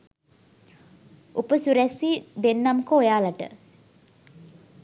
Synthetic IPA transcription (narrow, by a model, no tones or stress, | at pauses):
upəsuɾɛsiːd̪enːaməkəojaːlaʈə̰